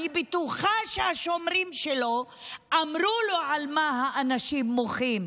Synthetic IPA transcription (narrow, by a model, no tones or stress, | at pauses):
ibet̪uχaʃeaʃo̞mʁimʃeloʔamʁuloʕalmahaʔanaʃimːoχim